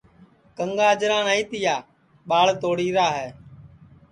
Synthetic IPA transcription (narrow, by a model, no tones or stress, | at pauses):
kəŋɡaːd͡ʒɾãːnaːĩːt̪ɪjaː | ɓaːɭt̪oːɽiːɾaːɦɛː